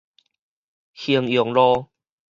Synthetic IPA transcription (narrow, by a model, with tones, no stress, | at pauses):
hi˧əŋjɔ˨˩ŋlɔ˦